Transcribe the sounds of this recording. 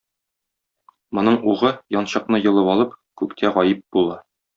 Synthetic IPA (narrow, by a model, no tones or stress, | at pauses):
mŏnɤɴuʁɤjɒnɕɤ̆qnɤjɤ̆lˠɤβɒlˠɤpkʉkt̪ʰæʁɒjɘp̚b̥ulˠɑ